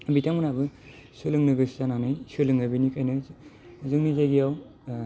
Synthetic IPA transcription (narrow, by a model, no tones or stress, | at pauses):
bitʰaŋmɯnabɯ | sɯlɯŋnɯɡɯszananajsɯlɯŋabinikʰajnɯ | zɯŋnizajɡijaw